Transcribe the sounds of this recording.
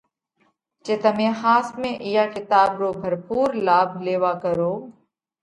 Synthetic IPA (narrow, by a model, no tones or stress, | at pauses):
t͡ʃeːt̪əmẽːhaːsmẽːʔijaːkɪt̪aːbɾoːbʱəɾpuːɾlaːbʱleːʋaːkəɾoː